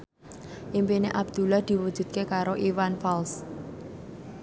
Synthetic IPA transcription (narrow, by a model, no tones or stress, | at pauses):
ʔimpineʔab̚d̪̥ṳlahd̪̥i̤wud̥ʒ̥ṳt̪̚kekaɾoʔiwanfals